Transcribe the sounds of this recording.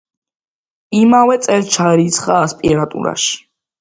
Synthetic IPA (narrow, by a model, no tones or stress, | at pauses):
imavɛt̪sʼɛlt͡ʃʰaɾit̪sʰχaːspʼiɾat̪ʼṵɾa̰ʃi̥